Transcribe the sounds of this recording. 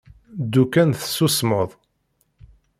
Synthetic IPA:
d̪ukænθə̥sːusməðˤ

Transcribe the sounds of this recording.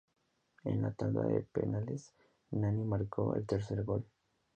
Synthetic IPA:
enlat̪and̪a̰ðepenales | nãnimaɾkʰo̰ḛlt̪eɾseɾɣol

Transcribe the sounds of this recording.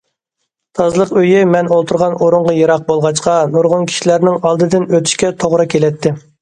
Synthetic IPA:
t̪ʰɑzlˠəqøjɪmɛnolˠt̪ʰuɾʁɑnoɾuɴʁɑjɑɾɑq̚bolˠʁɑt͡ʃqɑnuɾʁʊnkʲʰi̥ʃilæɾnɪŋɑlˠd̪ɨd̪ɪnøt̪ʰy̥ʃkʲɛt̪ʰoʁɾɨkʲʰelɛt̪ʰːɪ

